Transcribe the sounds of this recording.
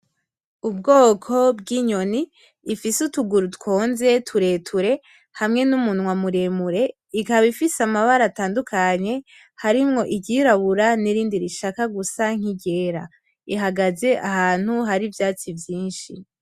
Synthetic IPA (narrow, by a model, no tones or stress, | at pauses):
ub̚ɡo̞ːkʰo̞bɡiɲo̞niː | fisutuɡuɾutko̞ːnze̞tʰuɾe̞tʰuɾe̞ | hamŋe̞numunŋwamuɾemuɾe̞ | ikaβifisamaβaɾataːndukʰaɲe̞ | haɾimŋo̞ʔiɟiɾaβuɾaniɾiːndiɾiʃakaɡusaŋ̥iɟe̞ːɾa | iɦaɡaze̞ʔahaːn̥huɦaɾivjaːt͡sivjiːnʃi